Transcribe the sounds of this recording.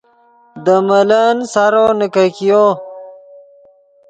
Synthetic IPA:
d̪əmɐlansaɾonəkakijo

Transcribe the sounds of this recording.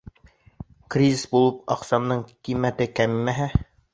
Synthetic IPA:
krʲizʲisbulˠɤpɑqsɑmnɤɴqimːæt̪ɘkæmmːæɦæ

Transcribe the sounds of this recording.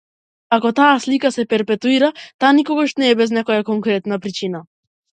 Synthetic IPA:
akɔt̪aːslikasɛpɛɾpɛt̪uiɾat̪aːnikɔɡaʃnɛːbɛznɛkɔjakɔŋkɾɛt̪napɾit͡ʃina

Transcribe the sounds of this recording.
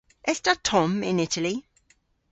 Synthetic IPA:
ʔɛɬtatʰɔmɪ̰̃nɪtʰəli

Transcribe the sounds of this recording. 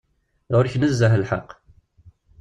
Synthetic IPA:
ʁʊɾçnəzːəɦəlħɑ̰qː

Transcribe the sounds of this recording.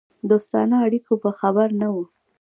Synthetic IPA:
d̪ost̪ɑ̰nɑːɽikopəxabaɾnawu

